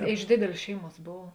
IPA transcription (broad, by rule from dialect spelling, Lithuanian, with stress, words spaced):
ɐ ɪʃ ˈdʲeːdʲeːlʲeːs ˈʃʲɛɪˌmuɔs ˈboːw